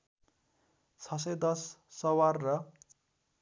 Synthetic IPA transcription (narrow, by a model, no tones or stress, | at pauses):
t͡sʰʌs̬ʌjd̪ʌsːʌwarːʌ